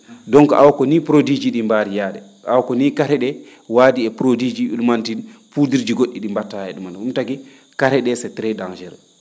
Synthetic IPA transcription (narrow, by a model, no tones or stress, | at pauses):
dɔŋkɔʔawkɔnipɾodid͡ʒiɗimbaɾijaːɗɛ | ʔawkɔniːkaɾɛɗɛ | waːdiɛpɾodid͡ʒiʔulmantinpudiɾd͡ʒiɡoɗːiɗimbatːaɛɗumanumtaɡi | kaɾɛɗɛsɛtɾɛdand͡ʒɛɾ